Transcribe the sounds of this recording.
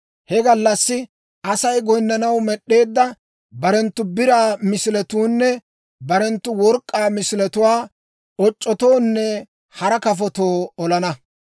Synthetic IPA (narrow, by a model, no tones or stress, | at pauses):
hɛɡɐlːɐsːɪ | ʔɐsɐjɡɔjnːɐnɐwmɛɗːe̞ːd̪ːɐ | bɐɾɛnt̪ːʊbɪɾaːmɪsɪlɛt̪uːnːɛ | bɐɾɛnt̪ːʊwɔɾkʼːaːmɪsɪlɛt̪ʊwaː | ɔt͡ʃʼːɔt̪o̞ːnːɛ | hɐɾɐkɐfɔt̪oːɔlɐnɐ